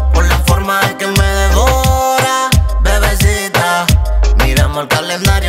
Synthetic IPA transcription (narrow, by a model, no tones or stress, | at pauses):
kalːafoɾmaekemeðeɣoɾaðeβesit̪amiɾamolkalend̪aɾjo